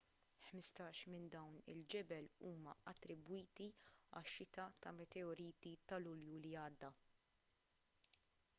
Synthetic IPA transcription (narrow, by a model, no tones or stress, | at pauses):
ħmɪst̪ɐːʃmɪnd̪ɐwnɪ̰ld͡ʒɛbɛluːmɐɐt̪ːɾɪbwiːt̪iɐ̰ʃːɪt̪ɐt̪ɐmɛt̪ɛɔɾiːt̪it̪ɐlʊljuliɐːd̪ːɐ